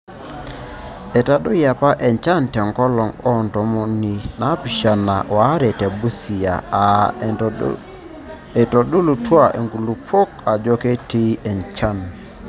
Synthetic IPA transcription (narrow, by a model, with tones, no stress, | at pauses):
e˨ta˨ɗo˦ja˨pa˦ʔɛ˨ɲt͡ʃa˦ntɛ˨ŋkɔ˦lɔ˨ŋɔ˦˨ntɔ˨˦mɔ˦ni˦na˨˦pi˨ʃa˨na˨wa˨˦ɾɛ˨tɛ˨bu˦si˨a̰˨ | e˨tɔ˨ɗu˦lu˨twa˦˨ʔḛ˨ŋɡu˨lu˨pʰo˦ka˨d͡ʒo˦ke˦ti˦ɛ˨nt͡ʃa˦˨n